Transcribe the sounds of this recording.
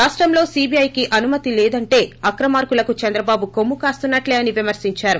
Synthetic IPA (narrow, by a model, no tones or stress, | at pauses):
ɾaːʂʈɾɐmlo̞ːsiːbiɐjkiʔɐnumɐt̪ilɛːd̪ɐɳʈe̞ːɐkɾɐmaːɾkulɐkut͡ʃɐnd̪ɾɐbaːbukomːukaːst̪unːɐʈleːɐniʋimɐɾsiɲt͡ʃaːɾu